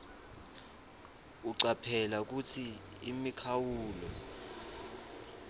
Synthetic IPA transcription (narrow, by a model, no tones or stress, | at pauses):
uǀapʰɛlak̬ut͡sʰiː | mikʰawuːlɔ